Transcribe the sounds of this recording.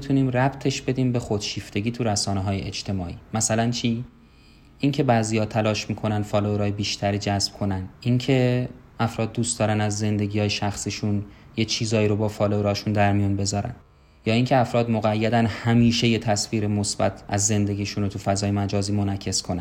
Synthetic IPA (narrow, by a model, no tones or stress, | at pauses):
it̪ʰuniːmræbt̪ʰe̞ʃb̥e̞d̪iːmbe̞xo̞d̪ʃiːft̪ʰe̞ɡʲiːt̪ʰuɾæsɒːneɦɒːje̞̰ʔed͡ʒt̪ʰe̞mɒːʔiːmæsælænt͡ʃʰiː | ʔiŋcʰe̞bæːziːjɒːt̪ʰælɒːʃmiːkʰo̞nænd̪fɒːloeɾɒːjebiːʃt̪ʰæɾiːd͡ʒæsb̥̚kʰo̞nænd̪incʰe̞ | ʔæfɾɒːd̪̚ːuːst̪d̪ɒːɾænæzːe̞nd̪e̞ɟihɒːjeʃæxsiʃun | jet͡ʃʰiːzɒːiːɾobɒːfɒːloɾɒːʃund̪æɾmijunbe̞zɒːɾæ̰n | jɒːiːŋcʰe̞æfɾɒːd̪moɣæjːæd̪ænhæmiːʃe̞jet̪ʰæsfiːɾemosbæ̰t̪ʰʔæzːe̞nd̪e̞ɡʲiːʃunot̪ʰufæzɒːjemæd͡ʒɒːziːmo̞næcʰːe̞skʰonæ̰